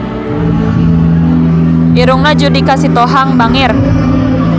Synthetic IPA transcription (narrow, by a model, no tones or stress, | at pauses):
ʔiɾuŋnad͡ʒudikasit̪oɦaŋbaŋɪr